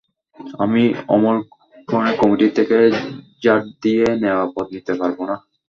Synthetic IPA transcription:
a̰miɔmol | ɡɾonekɔmiʈit̪ʰeke | d͡ʑaɾd̪ieneoapɔt̪nit̪epaɾbona

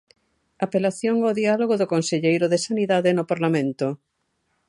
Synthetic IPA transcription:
apelaθjoŋoðialoɣoðoʊkonseʎejɾʊðesaniðaðenopaɾlamẽnt̪ʊ

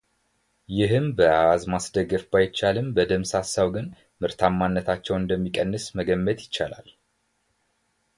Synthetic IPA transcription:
jɪɦɨmbəaazmasd̪əɡəfbajɪt͡ʃːalɨmbəd̪əmsasawɡɨn | mɨɾt̪ʰamːanːət̪ʰat͡ʃːɛwɨnd̪əmːikʼənːɨsməɡəmːət̪jɪt͡ʃːala̰l

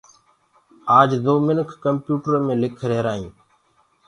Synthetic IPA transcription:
aːd͡ʒzoːmɪnkʰːəmpjuːʈəɾmẽːlɪkʰɾeːɾaːɦĩː

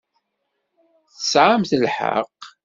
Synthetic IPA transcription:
θəsʕamθəlħə̰q

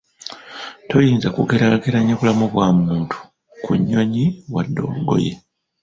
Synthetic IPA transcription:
to̞jiːnzakukeɾakeɾaɲːoβulamuβwaːmuːntʰu̥ | kʰuɲːo̞ɲiwadːo̞̰ːluɡo̞̰je̞

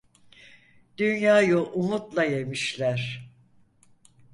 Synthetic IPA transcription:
d̪̥ynjaːjuʔumut̪lˠaje̞miʃlʲæɾ̥

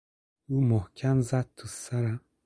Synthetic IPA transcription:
umohkʲʰamzad̪̚t̪ʰusaɾa

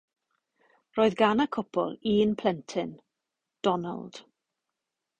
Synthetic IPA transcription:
roːɨðɡanakʰɔpʰɔ̰lˠiːnpʰlɛntʰɪn | d̥ɔna̰lˠd̥

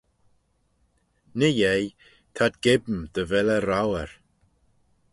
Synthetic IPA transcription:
nəjej | t̪ʰad̪ɡ̥ɪbmd̪̥əvɛləɾawəɹ

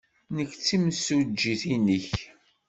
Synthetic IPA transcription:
nəkːt͡sːimsud͡ʒːiθinəç

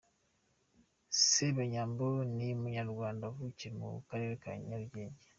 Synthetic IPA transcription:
seβaɲaːmbonimuɲaɾɡwaːndavuciɾemṵkaɾe̞ːɾeka̰ɲaɾɟeːɲɟe

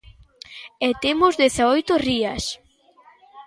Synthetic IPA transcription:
et̪emʊzðeθaojt̪oriɐs

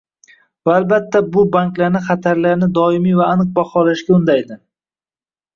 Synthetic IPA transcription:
vaːlbat̪ʰːabʊbaŋkʲlaɾnɪχɑt̪ʰaɾlaɾnɪd̪ɒɪmijvaːnɨq̚baχɒlaʃɡʲaʊnd̪ajd̪ɪ

